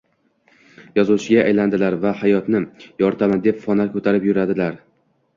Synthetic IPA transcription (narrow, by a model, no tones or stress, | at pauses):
jɒzuwt͡ʃʰɪɡʲaʔajland̪ɪlaɾvahajɒt̪nɪjɒɾt̪ʰamad̪e̞pfɒnaɾkʰɵt̪ʰaɾɪpjʊɾad̪ɪlaɾ